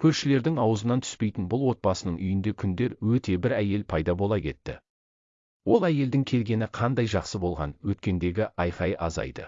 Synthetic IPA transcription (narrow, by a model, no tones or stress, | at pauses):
kʲʰɵɾʃɪle̞ɾd̪ɪŋɑwəzənɑnt̪ʰʏ̥spe̞jt̪ɪnbʊlˠwo̞t̪̚bɑsənəɴʔʏjɪnd̪e̞kʲʰʏnd̪e̞ɾwɵt̪e̞bɪɾæje̞lpʰɑjd̪ɑbo̞lˠɑkʲʰe̞̰t̪ːɪ̰ | wo̞lˠæje̞ld̪ɪŋkʲʰe̞lɡʲe̞nɪqʰɑnd̪ɑjʒɑqsəbo̞lˠʁɑ̰nwɵt̪kʲe̞nd̪e̞ɡʲɪʔɑjfɑjʔɑ̰zɑ̰jd̪ə̰